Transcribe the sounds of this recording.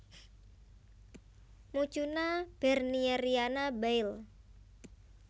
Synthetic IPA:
mut͡ʃunab̥ɛrniɛɾianabɛɪl

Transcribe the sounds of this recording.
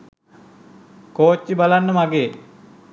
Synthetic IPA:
koːt͡ɕːibalanːəmaɡeː

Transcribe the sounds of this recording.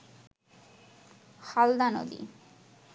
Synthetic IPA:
hald̪ano̰d̪ḭ

